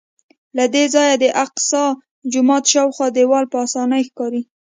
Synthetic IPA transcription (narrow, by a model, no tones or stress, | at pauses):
lad̪ezɑjad̪əʔaqsɑ | d͡ʒʊmɑt̪ʃɑwxwɑd̪ewɑlpəɑsɑnəjxkɑɾi